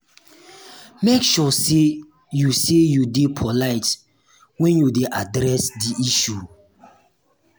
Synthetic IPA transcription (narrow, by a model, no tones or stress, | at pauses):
mekʃɔse | jusejudepʰɔlaɪt | wɛ̃njudeʔadɾɛsdiʔiʃu